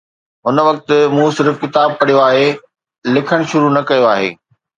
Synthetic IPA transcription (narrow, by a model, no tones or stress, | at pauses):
ɦʊnʋɐk̚t̪ɪmũːsɪɾfkɪt̪aːb̚kɐɽ̤ijoaːɦe | lɪkʰəɽ̃ʃʊɾunɐkɐjoaːɦḛː